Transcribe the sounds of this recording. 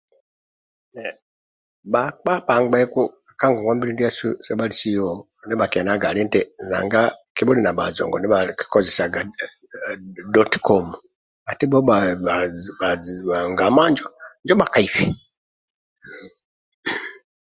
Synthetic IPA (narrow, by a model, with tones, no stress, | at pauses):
bak͡pa˦pa˨ŋɡ͡bɛ˦ku˦ | aka˦ŋɡɔ˨ŋɡa˦mbi˦lindi˦a˦susɛ˦ba˦lisi˦ɔ | ndɛ˦bakɛ˨na˦ɡa˨lɛ˦ntɛna̰˨ŋɡa˦kibɔ˦li˦na˨ba̰˨zɔ̰˨ŋɡɔ˨ndɛ˦bai̥kɔzɛ˨saɡa˨ | dɔtkɔmu | a˨ti˦bɔ˦ɓa | a˨a˨ŋɡa˨ma˦nd͡ʒɔ˦nd͡ʒɔ˦ɓa˨ka˦ifi